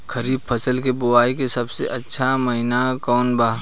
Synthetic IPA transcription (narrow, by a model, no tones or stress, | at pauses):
kʰɐɾiːb̚pʰɐsəlkebʊaːikesɐbsḛʔɐtːʃʰamɐɦɪnakɔːnbaːɦ